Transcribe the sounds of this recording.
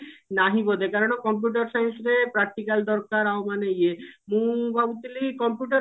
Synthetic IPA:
naɦibod̪ekaɾonakɔmp̬juʈ̬aɾsajnsɾepɾak̚ʈ̪ikald̪ɔɾkaɾaomanejemũbaut̪ilikɔmpjuʈaɾ

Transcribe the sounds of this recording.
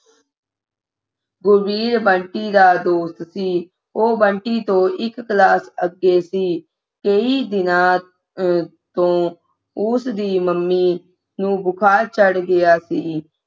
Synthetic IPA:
ɡʊɾbiːɾbəɳʈiːd̪aːd̪oːst̪siː | oːbəɳʈiːt̪õːʔɪkːlaːsəɡːeːsiː | kəiːd̪ɪnãː | t̪õː | ʊsd̪iːməmːiː | nũːbʊkʰaːɾt͡ʃəɽɡɪaːsiː

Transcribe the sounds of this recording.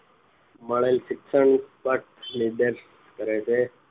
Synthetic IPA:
məɭelsɪksəɳpəʈliɖəɾs | kəɾet͡ʃʰe

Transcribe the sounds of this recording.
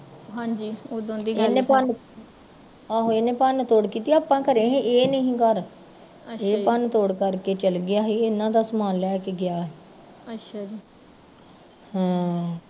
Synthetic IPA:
ɦãːd͡ʒiːod̪õːnd̪ieːneːpən | aɦoeːneːpənt̪oːɽkiːt̪iːaːpãːkəɾẽːɦẽʔeːnəĩːkəɾ | əeːpənt̪oːɽkəɾkeːt͡ʃəlɡɪaːɦiːɪnãːd̪aːsəmaːlːɛːkeɡɪjaːɦɛː | ətʃʰad͡ʒiː | hãː

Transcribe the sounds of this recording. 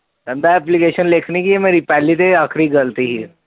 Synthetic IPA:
ɾɐ̃nd̪aɛːplikeːʃənleːkʰnekiemeɾipɛːlit̪eaːkʰɾiɡɐlt̪iɦi

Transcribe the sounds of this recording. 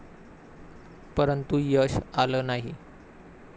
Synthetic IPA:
pəɾənt̪ujəɕaləːnaɦḭ

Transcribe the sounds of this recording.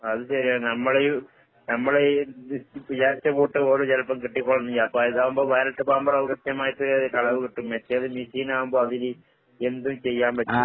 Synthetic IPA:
ɐðɨɕɐɾiaːnɐmːɐɭeju | nɐmːɐɭe | pɐt͡ɕaːɾit͡ɕːɐpoːʈːɨoɾoːd͡ʑɐlɐpːɐmkiʈːikːoɭɐnːiɲɐɐpːoːiðaːʋumboːʋɐjɐɾɐʈːɨpaːmbɐɾɐʋkɐtːɐmaːjit̪ːɨkɐɭɐʋɯkiʈːumʋet͡ɕːeɐðɨmisiːnaːʋumboːɐðil | end̪umt͡ɕejːaːmʋɐt͡ɕːɨ

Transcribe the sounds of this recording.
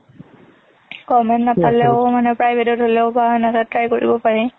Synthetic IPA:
kɔmɛntnapalɛʊmanɛpɹajbʱɛtɔtɦolɛʊbanatatɹajkoɹḭbɔpaɹɛ

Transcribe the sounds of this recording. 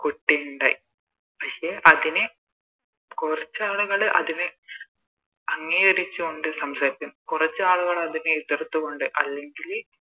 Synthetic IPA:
koʈːejuɳɖa̰ːji | pɐʂeʔɐðine | kurɐt͡ɕːɨaːɭuɣɐɭʔɐ̰ðine | ɐŋːiɣɐɾit͡ɕːɨoɳɖɨsɐmsaːɾikʲːunːkurɐt͡ɕːɨaːɭuɣɐɭɐðineit̪ːrɐt̪ːuɣoɳɖɨʔɐlːe̞ŋɡil

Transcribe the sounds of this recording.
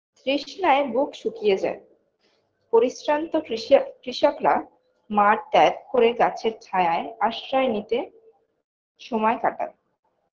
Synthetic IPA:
t̪ɾiʃnaebukʃukijed͡ʑa̰e | poɾiʃɾant̪okɾiʃokɾa | maɾt̪ɛp̚koɾeɡat͡ɕʰeɾtʰajaeaʃɾaenit̪e | ʃɔmɔekaʈa̰n

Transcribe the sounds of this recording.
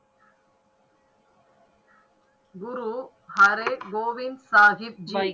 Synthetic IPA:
ɡʊɾu | hɐɾeɡoːʋɪnsaːɣɪp̚d͡ʒɐ

